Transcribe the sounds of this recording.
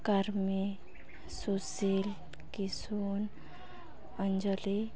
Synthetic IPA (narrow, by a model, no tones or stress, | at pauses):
kaɾmi | susil | kisun | ənd͡ʒɔli